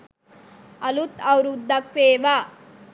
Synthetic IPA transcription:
ɐlut̪ɐwɾud̪ɐkʋeːʋa

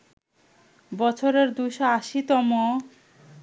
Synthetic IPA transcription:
bɔt͡ɕʰoɾeɾd̪ujʃɔaʃit̪ɔmo

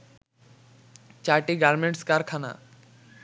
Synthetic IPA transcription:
t͡ɕaʈiɡaɾmeɳʈskaɾkʰana̰

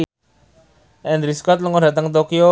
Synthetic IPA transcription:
ʔɛndɾiskɔt̪̚ləŋɔdat̪əŋt̪okio

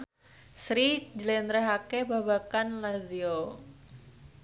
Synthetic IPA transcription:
sɾid͡ʒəlɛnɾɛɦakebabakanlazio

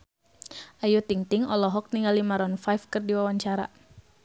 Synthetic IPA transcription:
ʔajut̪iŋt̪iŋɔlɔɦɔk̚niŋɡalimaɾɔnfajfkɨrdiwawaɲt͡ʃaɾa̰

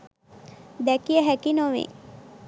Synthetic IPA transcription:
d̪ækiəɦækinoʋḛ

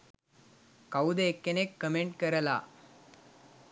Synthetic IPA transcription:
kɐwd̪ɐekːɐnekːɐmeɳʈ̚kɐɾɐla̰ː

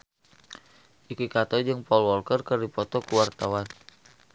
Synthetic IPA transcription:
ʔikikat̪ɔd͡ʒɨŋpaulwɔlkərkərdipɔt̪ɔkuwart̪awan

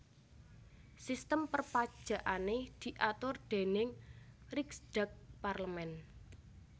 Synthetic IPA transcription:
sist̪əmpərpad̥ʒ̥ä̤ʔaned̪̥i̤ʔat̪ʊrd̪̥e̤nɪŋriksɖ̥a̤k̚parləmɛn

